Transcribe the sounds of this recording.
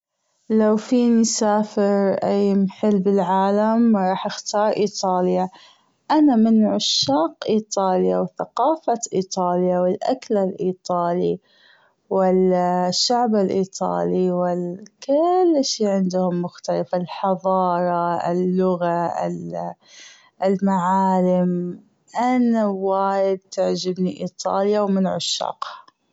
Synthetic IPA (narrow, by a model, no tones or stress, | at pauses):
lawfiːnsaːfɪɾʔajmħɪlːbɪlʕaːlamɾˤɑːħʔɪxt̪ɑːɾˤʔiːt̪ˤɑːlja | ʔanamɪnʕʊʃːaːqʔiːt̪ˤɑːljawθaqɑːfaʔiːt̪ˤɑːljawɪlʔaklalʔiːt̪ˤɑːli | wɪlʃːaʕbɪlʔiːt̪ˤɑ̰ːliwɪlkɪlːʃiːʕɪnd̪ʊhʊmːʊxt̪alafalħɑðˤɑːɾˤɑɪ̰lːʊɣaɪ̰l | lmaʕaːlɪm | ʔanawaːjɪd̪̚t̪ɪʕd͡ʒɪbniʔiːt̪ˤɑ̰ːljawmɪnʕʊʃːɑ̰ːq